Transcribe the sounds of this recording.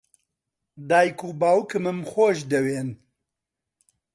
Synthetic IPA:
d̪aːjkubaːwkɨmɨmxoːʃd̪ɛweːn

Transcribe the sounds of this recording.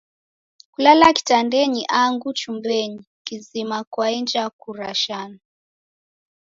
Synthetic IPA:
kulalaki̥tandɛɲiʔaŋɡut͡ʃumbɛɲi | kizimakwaɛnd͡ʒakuɾaʃanu

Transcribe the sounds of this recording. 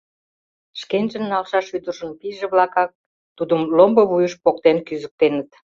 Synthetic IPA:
ʃkenʒə̆nːɑlʃɑʃyd̪ərʃə̆npiʒeβlɑkɑk̚ | t̪ud̪əmlomboβujəʃpok̚t̪enkyzək̚t̪enət̪

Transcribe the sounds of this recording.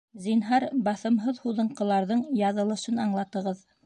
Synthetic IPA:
zinɦɑɾbɑθɤ̆mɦɤðhuðɤ̆ɴqɤ̆lˠɑɾðɤɴjɑðɤ̆lˠɤ̆ʃɤnɑɴlˠɑt̪ɤ̆ʁɤð

